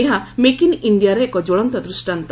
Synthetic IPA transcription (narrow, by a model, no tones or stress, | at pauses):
eɦãmekiniɳɖijaɾeekɔd͡ʒoɭɔnt̪ɔd̪ɾusʈant̪